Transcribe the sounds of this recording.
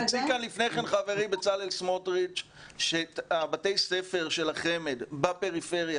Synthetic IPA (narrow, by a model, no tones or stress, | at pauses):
zikanlifnejχenχaveʁimbet͡salelsmotʁit͡ʃ | ʃetabate̞jsefeʁʃe̞laχe̞med̪bapeʁife̞ʁja